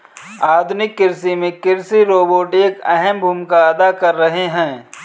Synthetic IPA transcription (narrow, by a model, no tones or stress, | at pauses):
aːd̪ʱʊnɪkːɪɾsimẽkɪɾsiɾoːboːʈeːkɛɦɛmbʱuːmkaɐd̪akɐɾːɐɦeɦɛ̃ː